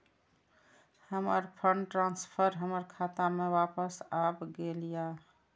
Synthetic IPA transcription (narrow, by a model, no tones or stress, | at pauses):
həməɾpʰəɳɖʈɾanspʰəɾɦəməɾkʰat̪amewapəsabɡelija